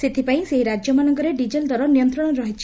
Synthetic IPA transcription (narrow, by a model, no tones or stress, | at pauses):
set̪ʰipaĩseɦiɾad͡ʒjɔmanɔŋkɔɾeɖid͡ʒeld̪ʱwaɾɔnijɔnt̪ɾɔɽ̃ɔɾɔɦit͡ʃʰi